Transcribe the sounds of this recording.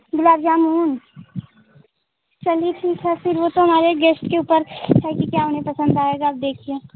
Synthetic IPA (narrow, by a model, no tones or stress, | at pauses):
ɡʊlaːɾd͡ʒaːmuːn | t͡ʃɐliʈʰiːkɦɛfɪɾʋot̪oɦɐmaːɾeɡeːsʈkeuːpəɾɦɛkikjaʊnẽpɐsə̃nd̪aːeːɡaaːp̚d̪eːkʰieː